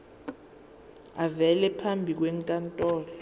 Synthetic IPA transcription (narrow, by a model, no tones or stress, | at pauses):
avɛlɛpʰambʱik̬weŋkʼantʼɔːlɔ